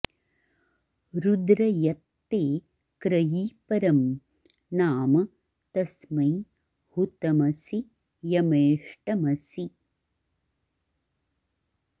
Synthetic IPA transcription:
ɾud̪ɾɐjɐt̪ːeː | kɾɐjiːpɐɾɐm | naːmɐ | t̪ɐsmɐj | hut̪ɐmɐsi | jɐmeːʂʈɐmɐsi

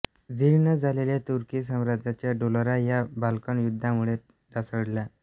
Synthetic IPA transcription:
d͡ziɭnad͡zʱaleljat̪uɾkiːs̬amɾad͡z̪ʱat͡ɕjaɖolɾajabalkəɳjud̪ʱːamuɭe | d̪asəɽla

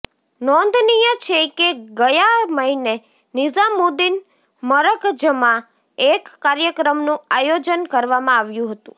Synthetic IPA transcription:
nɔnd̪ʱnijət͡ʃʰekeɡəjaməɦine | nɪzamud̪in | məɾəkd͡ʒəmã | ekːaɾjəkɾəmnũajod͡ʒənkəɾʋamãaʋjũɦət̪ṵ̃

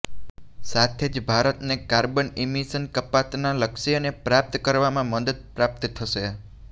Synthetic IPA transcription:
sat̪ʰed͡ʒbʱaɾət̪nekaɾbənimisənkəpat̪naləkʃiənepɾap̚t̪kəɾʋamãməd̪əd̪̚pɾap̚t̪t̪ʰːəʃe

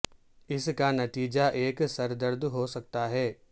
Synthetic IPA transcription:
ɪskanɐt̪iːd͡ʒaʔeːksɐɾd̪əɾd̪ɦosɐk̚t̪aɦɛː

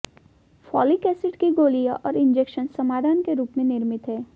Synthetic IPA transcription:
fɔːlikɛːsɪʈkiɡoːlijaʔɔːɾɪ̃nd͡ʒeːkʃənsɐmaːd̪ʱaːnkeɾuːpmẽnɪɾmɪt̪ɦɛː

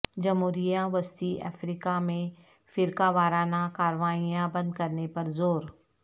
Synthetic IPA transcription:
d͡ʒɐmɦuːɾijaʋɐst̪iʔɛ̰ːfɾiːkamẽ | fɪɾkaʋaːɾaːnãkaːɾʋaːijãbɐ̃nd̪kɐɾnepɐɾzoːɾ

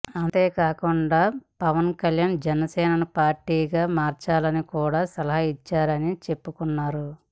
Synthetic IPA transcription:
ɐnt̪e̞ːkaːkuɳɖaːpɐʋɐnkɐljaːnd͡ʒɛnɐsɛːnɐnupaːɾʈːiːɡaːmaːɾt͡ʃaːlɐnikuːɽaːsɐlɐɦɐit͡ʃːaːɾɐnit͡ʃe̞pːukunːaːɾu

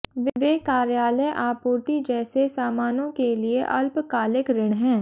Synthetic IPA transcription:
ʋʋeːkaːɾjaːləjʔaːpuːɾt̪id͡ʒɛːsesaːmaːnõkeliḛʔɐlpkaːlɪkɾɪɽɦɛ̃ː

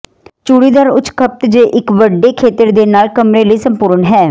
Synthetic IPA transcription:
t͡ʃuːɽiːd̪əːɾʊt͡ʃkʰəp̚t̪d͡ʒeːʔɪkʋəɖːeːkʰeːt̪əɾd̪eːnaːlkəmɾeːləiːsəmpuːɾɳɦɛː

